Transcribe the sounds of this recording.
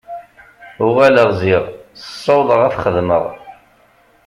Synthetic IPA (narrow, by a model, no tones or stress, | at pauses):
ʊʁæləʁziʁθə̥sˤːɑwðˤəʁæθχəðmə̰ʁ